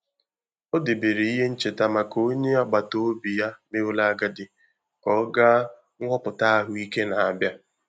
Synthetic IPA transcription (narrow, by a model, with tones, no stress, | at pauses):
o˦de˨be˨ɾe˨i˦ɦe˦n̩˦t͡ʃe˨ta˨ma˨ko˦ɲe˦ɔ˦ɡ͡ba˨to˦o˦bi˨ja˦me˦ʊ˦la˦ɡa˦dɪ˨ | kɔ˦ɡa˦ | ŋ˦ŋʷɔ˦pʊ˨ta˦a˦ɦʊ˨i˦ke˦na˨a˨bja˦